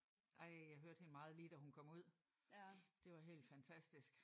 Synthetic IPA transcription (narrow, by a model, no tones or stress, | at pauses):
ʔɑ̈ɪ̰jɑɪɦøɐd̥he̝nəmɑ̈ːð̞̩ˠliːd̥æhunkʰɒ̽m̰uð̞̰ˠ | d̥e̝ʋɑ̈ɦe̝̰ːld̥fænt͡sʰæsd̥isɡ̥